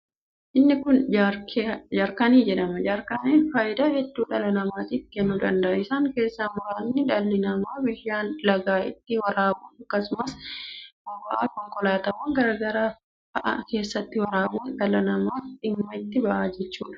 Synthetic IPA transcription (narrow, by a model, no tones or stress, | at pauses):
ʔɪnːɪkʊnd͡ʒaɾkd͡ʒaɾkɐniːd͡ʒɛᶑɐmɐd͡ʒaːɾkɐneːnfaːjɪd̪aːhɛd̪ːuːᶑɐlɐnɐmaːt̪iːfkɛnːʊd̪ɐnd̪ɐʔɪsaːŋke̞ːsːamʊɾaːnːɪᶑɐlːɪnɐmaːbɪjːaːnlɐɡaːʔɪt̪ːɪwɐɾaːbuːnɐkːɐsʊmɐs | ɐbɐʔa̰ːkɔŋkʼɔlaːt̪ɐwɐŋɡɐɾɐɡɐɾaː | tɐʔɐ̰ke̞ːsːɐt̪ːɪwɐɾaːbuːnᶑ̪ɐlɐnɐmaːᶑɪmːɐɪt̪ːɪbɐʔaːd͡ʒɛt͡ʃːuːᶑɐ̥